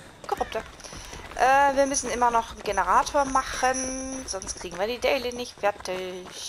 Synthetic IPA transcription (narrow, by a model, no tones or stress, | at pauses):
kʰɔʁʊp̚tɐ | ʔɛːviːɐmʏsn̩ɪmɐnɔχn̩ɡenəʁaːtʰoːɐmaχənz̥ɔnstkʁ̥iːɡŋ̩viːɐdiːdɛɪlənɪçtfɛɐtɪç